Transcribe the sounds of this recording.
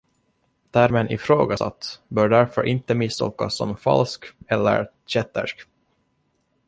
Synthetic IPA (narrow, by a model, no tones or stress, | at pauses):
t̪ʰæɾmɛnʔɪfɾoːɡasa̰t̪ːbœːɖæɾfœɾʔɪnt̪əmɪst̪ɔːkːasːɔmfa̰lskɛlːə̰ɾ | ɕɛt̪ːə̰ʂk